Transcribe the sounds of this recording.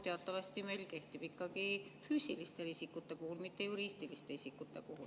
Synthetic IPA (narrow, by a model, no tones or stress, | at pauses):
t̪e̞ɑt̪ːɑvɑst̪ime̞jlke̞ht̪ib̥ikːɑɡifyːsilist̪e̞lisikːut̪ːe̞puhulmit̪ːe̞juɾiːst̪ilist̪e̞isʲikːut̪ˑːe̞̰puhul